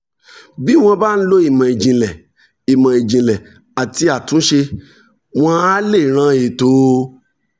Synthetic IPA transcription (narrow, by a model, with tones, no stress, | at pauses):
bi˦w̃ɔ̃˧ba˦˨n̩˦lo˦i˦˨mã˨e˨d͡ʒĩ˨lɛ˨ | i˨mã˨e˨d͡ʒĩ˨lɛ˨ | a˨ti˧a˨tũ˨˦ʃe˧ | w̃ɔ̃˧a˦le˦˨ɾ̃ã˧˦e˨to˨˦